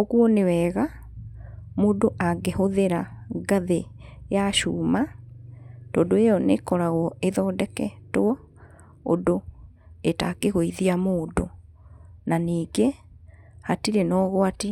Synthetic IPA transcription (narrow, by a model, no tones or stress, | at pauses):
oɣuɔnewɛːɣa | moːdoʔaɡehoðeɾaɡaðe | jaʃuːma | tɔːndoejɔnekɔɾaɣɔeðɔdɛkɛtoɔ | o̰do | etakeɣoiðiamoːdo | naniːɡe | hatiɾenɔɣwati